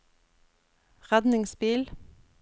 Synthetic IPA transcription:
ʁæd̪nɪŋsbiːl

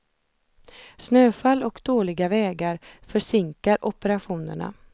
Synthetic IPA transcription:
snøːfalːɔkd̪oːlɪɡavɛːɡaɾfœʂɪŋkaɾʔɔpəɾaɧuːnə̰ɳa̰

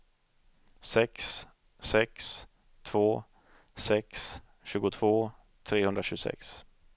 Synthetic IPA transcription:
sɛks | sɛks | t̪ʰvoː | sɛks | ɕʉ̟ːɡʊt̪ʰv̥oː | t̪ʰɾeːhɵnd̪ɾaɕʉɡʊsɛ̰ks

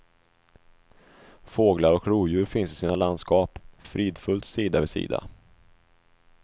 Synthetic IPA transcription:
foːɡlaɾɔkɾuːjʉ̟ːɾfɪnsɪsiːnaland̪skɑːpfɾiːd̪fɵlt̪siːd̪avɛsḭːd̪a̰

